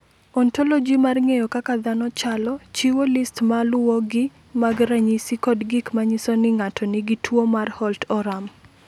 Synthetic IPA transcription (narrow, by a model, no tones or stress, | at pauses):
ɔntɔlɔd͡ʒimarŋejɔkakad̪anɔt͡ʃalɔt͡ʃiwolistmalʊwɔɡɪ | maɡɾaɲisikɔdɡɪkmaɲisɔnɪŋatɔnɪɡitʰwomarhɔltɔɾam